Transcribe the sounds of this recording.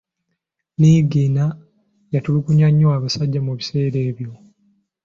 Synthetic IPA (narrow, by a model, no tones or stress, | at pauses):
niɡiːna | jatulikuɲaɲːuaːβasaɟːamuβise̞ːɾe̞ːβjo̞